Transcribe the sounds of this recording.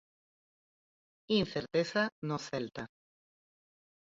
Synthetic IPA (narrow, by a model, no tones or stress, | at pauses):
inθeɾt̪esanoθelt̪a